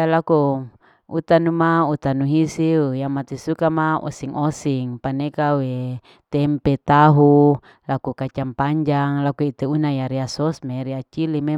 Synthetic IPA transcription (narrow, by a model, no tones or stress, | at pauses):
alaku | ut̪anumaut̪anuɦisiujamat̪isukamaɔ̰siŋʔosiŋpanekawe | t̪ɛmpet̪aɦu | lakukat͡ʃampaɲd͡ʒaŋlakuit̪eunajaɾiasɔsmeɾiat͡ʃilime